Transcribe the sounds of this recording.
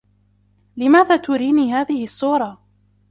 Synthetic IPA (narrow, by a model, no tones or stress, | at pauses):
lɪmaːðaːt̪ʊɾiːniːɦaːðɪhɪsːuːɾˤɑ